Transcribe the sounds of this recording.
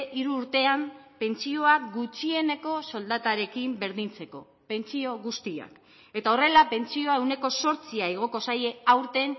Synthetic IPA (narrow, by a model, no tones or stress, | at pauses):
ʔiɾuːɾt̪e̞ampe̞nt͡sio̞akɡut͡ʃie̞ne̞ko̞so̞ld̪at̪aɾe̞kimbe̞ɾðint͡se̞ko̞ | pe̞nt͡sio̞ɣust̪ia̰k | e̞t̪ao̞re̞lape̞nt͡sio̞e̞wne̞ko̞so̞ɾt͡siaeɣ̞o̞ko̞saje̞awɾt̪e̞n